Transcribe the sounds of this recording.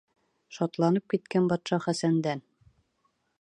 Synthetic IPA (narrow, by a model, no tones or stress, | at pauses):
ʃɒt̪lˠɑnɤp̚kit̪̚kænbɒt̪ʃɑχæsænd̪æn